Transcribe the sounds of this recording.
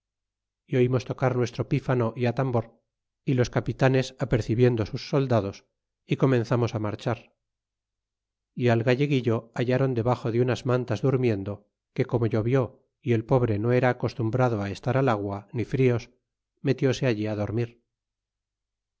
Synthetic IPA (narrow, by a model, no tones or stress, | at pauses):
io̞imo̞st̪o̞kaɾnwe̞st̪ɾo̞pifano̞ʔiat̪ambo̞ɾ | ilo̞skapit̪ane̞sape̞ɾθiβje̞nd̪o̞susːo̞ld̪aðo̞s | iko̞mẽ̞nθamo̞samaɾt͡ʃaɾ | ialɣaʝe̞ɣiʎo̞aʎaɾo̞nd̪e̞βaχo̞ðeunazmant̪azðuɾmje̞nd̪o̞ | ke̞ko̞mo̞ʝo̞βjo̞ | ie̞lpo̞β̞ɾe̞no̞e̞ɾaːko̞st̪umbɾaðoae̞st̪aɾalaɣwanifɾio̞s | me̞t̪jo̞se̞aʎiaðo̞ɾmiɾ